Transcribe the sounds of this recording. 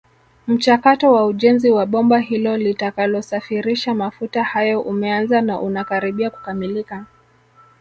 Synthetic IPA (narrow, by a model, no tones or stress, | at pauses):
m̩t͡ʃakatɔwauʄɛnziwaɓɔmbaɦilɔlitakalɔsafiɾiʃamafutahajɔʔumɛanzanaʔunakaɾiɓiaku̥kamilika